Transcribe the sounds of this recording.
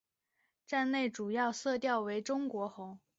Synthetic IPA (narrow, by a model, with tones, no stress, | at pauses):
ʈ͡ʂa˥˧nle˥˩ɪʈ͡ʂu˨˩jɑ˥˧ʊsɤ˥˧t̪jɑ˥˩ʊwe˧˥ɪʈ͡ʂʊ˥ŋkwɔ˧˥xʊ˧˥ŋ